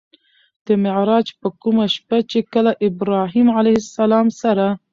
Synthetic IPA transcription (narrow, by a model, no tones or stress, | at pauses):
d̪̥əmɪʕɾɑːd͡ʒpəkumaʃpat͡ʃekəlaʔɪbɾɑɦimʕalajhɪsːalɑmsaɾa